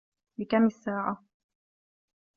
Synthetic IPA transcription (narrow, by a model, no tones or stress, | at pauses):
lɪkamɪsːaːʕa